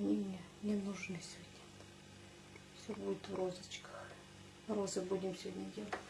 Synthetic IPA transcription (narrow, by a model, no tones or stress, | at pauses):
anʲimnʲe | nʲɪnuʐnɨsʲod̪ʲnʲə | fsʲobudʲɪt̪vrozət͡ɕkə̥x | rozɨbudʲɪmsʲvʲodʲnʲədʲelˠətʲ